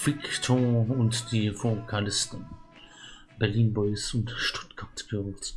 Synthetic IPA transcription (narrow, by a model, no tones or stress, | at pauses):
fɪktʰoʊntd̥iːfokʰalɪstən | b̥ɛɐliːnbɔʏsʊntʃtʊ̥tɡ̥aɐtɡ̥øʁt